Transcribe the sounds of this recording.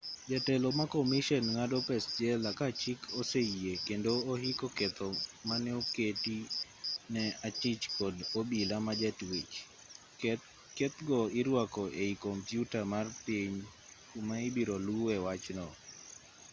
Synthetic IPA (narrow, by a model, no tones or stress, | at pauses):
d͡ʒatɛlɔmakɔmiʃɛnŋadɔpɛstjɛlakat͡ʃikʰoseiekendoːhikoket̪ɔmanɛoketi | nɛat͡ʃit͡ʃkɔdobilamad͡ʒatwet͡ʃ | ket̪ɡɔɪɾwakɔʔeikɔmpjutamarpiɲ | maibiɾoluɛwat͡ʃnɔ